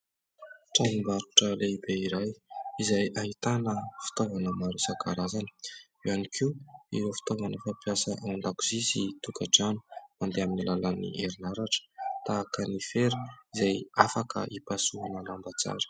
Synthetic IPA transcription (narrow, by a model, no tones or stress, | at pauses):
ʈ͡ʂamimbaɾuʈ͡ʂəleib̥eiɾajizajaɦit̪anəfi̥t̪ovanəmaɾisaɡaɾazanə̥ | ewanikʰiuiɾofi̥t̪ovanəfapiasəʔawanɳɖ͡ʐakuzizit̪ukaɖ͡ʐani̥mand̪eaminilalənḭʔeɾinaɾaʈ͡ʂə̥t̪aːkənifeɾu̥izajafakʰə̰ʔipasuɦanəlambat͡sa̰ɾə̥